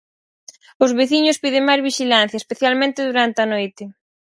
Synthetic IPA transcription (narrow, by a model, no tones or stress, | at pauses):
ʊzβeθiɲʊspiðɪŋmajzβiʃilan̟θjɐespeθjalmẽnt̪ɪðuɾant̪eɐnojt̪ɪ